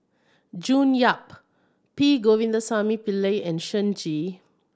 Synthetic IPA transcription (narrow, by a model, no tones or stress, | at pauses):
d͡ʒũːnjap̚ | piɡovĩnd̪əsamipileɛ̃nʃə̃nd͡ʒi